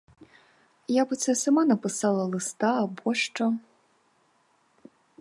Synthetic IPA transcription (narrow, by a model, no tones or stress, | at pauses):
jabɨt̪sʰɛsamanɐpɨsalˠɐlˠɨst̪aːbɔʂt͡ʂɐ